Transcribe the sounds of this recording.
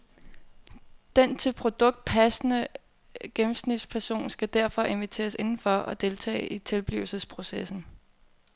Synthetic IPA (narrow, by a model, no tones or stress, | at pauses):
d̥ent͡sʰe̝lpʰʁo̝d̥ɔ̽ɡ̥̚d̥̚pʰæsnə | ɡ̥emm̩snid̥spʰæɐso̝̰ːnsɡ̥æd̥æɐ̰fɒ̽ʔe̝nʋit͡sʰe̝̰ːɐse̝nn̩fɒ̽ɒd̥e̝lt͡sʰɛ̰ːʔit͡sʰe̝lb̥lḭʊl̩səspʰʁo̝sesn̩